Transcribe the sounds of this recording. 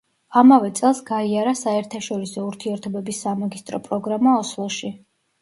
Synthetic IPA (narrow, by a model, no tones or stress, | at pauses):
amavɛt̪sʼɛlˠsɡaiaɾasaɛɾt̪ʰaʃɔɾisɔuɾt̪ʰiɛɾt̪ʰɔbɛbisːamaɡist̪ʼɾɔpʼɾɔɡɾamaɔslˠɔʃi